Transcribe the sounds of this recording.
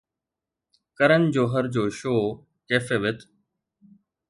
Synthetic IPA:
kəɾənd͡ʑoːɦəɾd͡ʑoːʃoː | keːfeːʋɪt̪ʰ

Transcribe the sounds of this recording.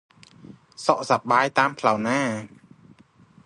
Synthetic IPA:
sɔʔsaɓaːjt̪aːmpʰlawnaː

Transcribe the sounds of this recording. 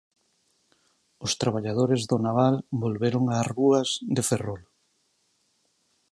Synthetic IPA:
ʊst̪ɾaβ̞aʎað̞oɾezðʊnaβalbolβeɾoŋaruazðeferol

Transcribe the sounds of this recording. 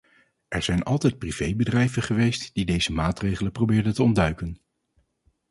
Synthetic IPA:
ʔɛɹz̥ɛjnɑ̰lˠtɛjt̚priv̥ejbədrɛjvəχəʋejstd̥idejzəmaːtrejχələprobɪːɹdəntəɔndœɥkən

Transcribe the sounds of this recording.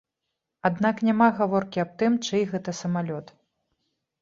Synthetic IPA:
ad̪naknʲamaɣavɔrkʲiɐp̚t̪ɨmt͡ʂɨjɣɛt̪ɐsɐmalʲɔt̪

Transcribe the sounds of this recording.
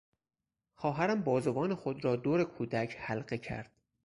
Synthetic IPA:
xɒːɦæɾæmbɒːzovɒːnexod̪ɾɒːd̪oːɾe̞kʰuːd̪æcʰhælɢecʰæ̰ɾd̪̥

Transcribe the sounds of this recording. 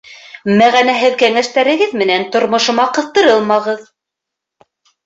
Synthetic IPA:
mæʁænæɦɘðkæŋæʃt̪æɾɘ̆ɡɘðmɘ̆nænt̪ŏɾmŏʃɤ̆mɑqɤ̆θt̪ɤ̆ɾɤlˠmɑʁɤð

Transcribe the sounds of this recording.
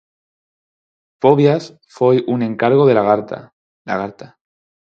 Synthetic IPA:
po̞βjas | fejʔunẽ̞ŋkaɾɣo̞ð̞e̞laɣaɾt̪a̰ | laɣaɾt̪a

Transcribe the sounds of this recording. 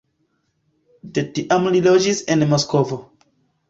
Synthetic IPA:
detiʔamlilod͡ʒisenmoskovo

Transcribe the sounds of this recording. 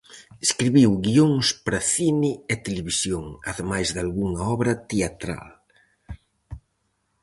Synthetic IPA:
eskɾiβiwɣioŋspɾɐθinɪɛt̪eleβisjoŋɐðemajzðalɣuŋɐɔβɾɐt̪eat̪ɾa̰l

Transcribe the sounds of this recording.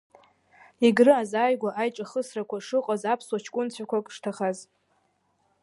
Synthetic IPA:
iɡrɨazaːjɡʷaʔajʈ͡ʂʼaχəsrakʷʰaʂɨqʼazapʰswat͡ʃʰkʷʼʊnt͡sʷʰakʷʰakʼʂtʰaχaz

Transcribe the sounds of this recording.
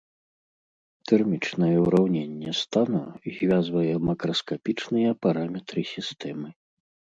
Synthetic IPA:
t̪ɛrmʲit͡ʂnɐjɛuɾawnʲenʲːɛst̪anɔzʲvʲazvɐjɛmɐkɾɐskapʲit͡ʂnɨjɐpaɾamʲɛt̪ɾɨsʲist̪ɛmɨ

